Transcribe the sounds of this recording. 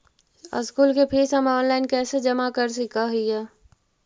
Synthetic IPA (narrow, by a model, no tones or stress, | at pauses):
ə̰skuːlkepʰeːsəmɔːnlaːɪnkɛːsed͡ʒəmakəɾs̬ikaɦija